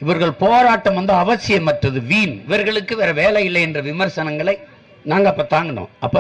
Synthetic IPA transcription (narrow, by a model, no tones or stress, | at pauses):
ɪʋɐɾɣɐɭpoːɾaːʈːɐmʋɐnd̪ɯɐʋɐt͡ʃːɪjɐmːɐʈrɐðɯʋiːnɪʋɐɾɣɐɭɯkːɯʋɛɾɐʋeːlɐjɪlːɐɪɛndrɐʋɪmɐɾsɐnɐŋɡɐɭɐɪ | naːŋɡɐɐpːɐːt̪aːŋɡɐnõ̰ːʔɐpːɐ